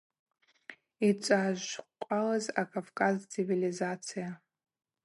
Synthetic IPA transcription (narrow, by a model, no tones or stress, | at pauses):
it͡ʃʷʼaʒʷqʷʼalazakʼavkʼazt͡sʰivilizat͡sʰija